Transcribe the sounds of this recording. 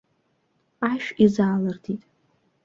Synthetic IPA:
aʃᶣizaːlɨrdʰitʼ

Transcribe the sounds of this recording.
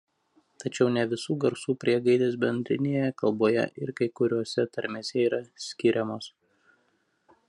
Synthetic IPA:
t̪ɐt͡ʃʲɛʊnʲɛʋʲɪsuːɡɐɾsuːpʲɾʲiɛɡɐɪd̪ʲeːsbʲɛnʲd̪ʲɾʲɪnʲeːjɛkɐlˠboːjɛ̰ʔɪɾkɐɪkʊɾʲuɔsʲɛt̪ɐɾʲmʲeːsʲɛiːɾɐsʲkʲɪɾʲɛmoːs

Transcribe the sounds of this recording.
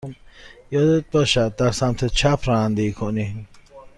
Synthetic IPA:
jɔd̪ebɔʃad̪aɾsamt̪ʰet͡ʃʰapʰɾand̪ikʰoni

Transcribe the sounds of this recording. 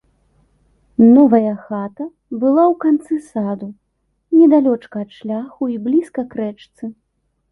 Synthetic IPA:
nɔvɐjɐxat̪ɐ | bɨlˠawkant̪sɨsad̪u | nʲɛd̪alʲɔt͡ʂkɐːt̪ʂlʲaxuiblʲiskɐkɾɛt͡ʂt̪sɨ

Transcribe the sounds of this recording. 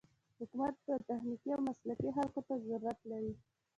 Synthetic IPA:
hʊkumat̪̚d̪ət̪axnikiawmaslakixalkot̪azaɾuɾat̪laɾi

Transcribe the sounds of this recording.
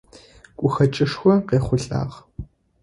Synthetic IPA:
kʷʼʊxɐt͡ʃʼɪʂxʷɔqeːχʷʊɬʼa̰ːʁ

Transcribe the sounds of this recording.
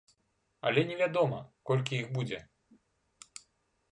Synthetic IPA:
ɐ̰lʲɛnʲɛvʲad̪ɔmɐkɔlʲkʲijixbud͡zʲɛ

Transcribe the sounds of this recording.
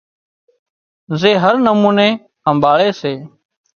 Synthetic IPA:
zeːɦəɾnəmuːneː | əmbaːɭeːseː

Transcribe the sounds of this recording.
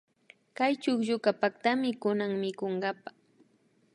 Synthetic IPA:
kajt͡ʃʊχʎʊkapakt̪amɪkʊnaŋmɪkoɴɢɑpa

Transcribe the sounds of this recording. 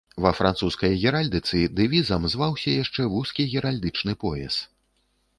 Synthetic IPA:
vɐfɾant̪suskɐjɣʲɛɾalʲd̪ɨt̪sɨd̪ɨvʲizɐmzvawsʲɐjaʂt͡ʂɛvuskʲiɣʲɛɾalʲd̪ɨt͡ʂnɨpɔjɛ̰s

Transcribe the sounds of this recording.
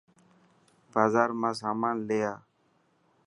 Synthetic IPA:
baːzaːɾmãːs̬aːmaːnleːjaː

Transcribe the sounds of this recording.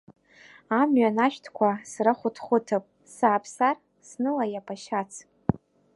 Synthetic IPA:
amɥanaʃᶣtʰkʷʰasraχʷʊtʰχʷʊtʰɨpʼ | sapʰsar | snɨlajapʰʼaʃat͡sʰ

